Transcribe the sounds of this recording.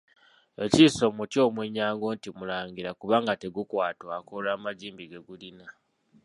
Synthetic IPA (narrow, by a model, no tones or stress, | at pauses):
e̞ciːso̞mutjo̞ːmweɲːaːŋɡo̞ːntimulaːɲɡiɾakuβaːŋɡate̞ɡukwaːtwakolaːmaɟiːmbiɡe̞ɡulina